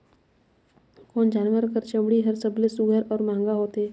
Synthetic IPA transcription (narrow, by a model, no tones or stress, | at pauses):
koːnd͡ʒaːnwəɾkəɾt͡ʃə̃mɽiɦəɾsəblesʊɡʱəɾɔːɾmãːŋɡaɦoːt̪eː